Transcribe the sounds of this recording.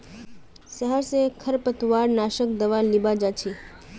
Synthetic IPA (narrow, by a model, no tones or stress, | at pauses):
səɦəɾsekʰəɾpət̪ʋaɾnaʃəkd̪əʋalibad͡ʒat͡ʃʰi